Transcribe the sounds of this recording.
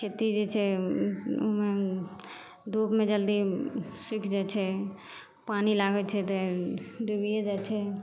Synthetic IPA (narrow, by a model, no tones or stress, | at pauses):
t͡ʃʰeːt̪id͡ʒet͡ʃʰɛ | omẽ | d̪uːpmẽd͡ʒəld̪iswɪkʰd͡ʒaːt͡ʃʰɛ | paːnilaːɡɛt͡ʃʰɛt̪eɖ̪ubied͡ʒaːt͡ʃʰɛ